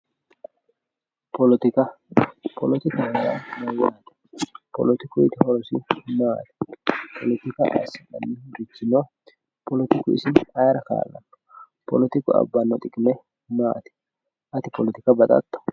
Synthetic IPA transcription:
pʰɔlɔt̪ɪkɐ | pʰɔlɔt̪ɪkɐhɐda̰mɐɾɪwɔnɐt̪ɛ̥ | pɔ̰lɔt̪ɪkʊɪt̪ɪhɔɾɔsɪnɔwa̰t̪ɛ̥pʰɔlɔt̪ɪkɐʔa̰sɪnɐnːɪbit͡ʃːɪno | pɔlɔt̪ɪkʊɪ̰sɪnhɐjɾɐka̰ːlnɐ̰ | pɔlɔt̪ɪkʊɐ̰bːɐnːɔt̪ʼɪkʼɪmɛ | nɐwa̰ːt̪ɛ̥ | ʔɐt̪ɪpɔlɔt̪ɪkɐbɐt̪ʼɐ̰t̪ːɐ̥

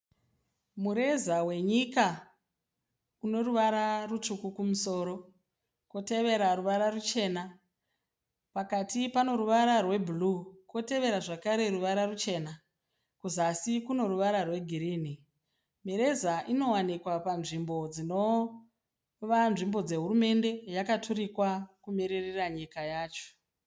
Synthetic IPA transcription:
muɾe̞zawe̞ɲika | uno̞ruʋaɾarutukukumuso̞ːɾo̞ | kwote̞ʋe̞ɾaɾuʋaɾarut͡ʃe̞ːna | pakatipano̞ɾuʋaɾarwe̞bʱuluko̞te̞ʋe̞ɾaʐakaɾe̞ɾuʋaɾarut͡ʃe̞ːna | kuzasikuno̞ɾuʋaɾarwe̞ɡʱiɾiːni | meɾe̞zaʔino̞wanikwapanʐimbo̞d͡zino̞ | ʋanʐimbo̞d͡ze̞ɦurume̞nde̞jakatʰuɾikwakumeɾereraɲikajaːt͡ʃo̥

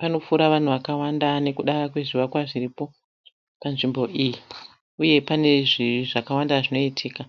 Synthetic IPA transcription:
pano̞fuɾaʋan̤uʋakawandane̞kuɗaakwe̞ʐiʋakwaʐiripo̞ | panʐimbo̞ʔiji | uje̞pane̞ʐiʐakawandaʐino̞itʰiːka

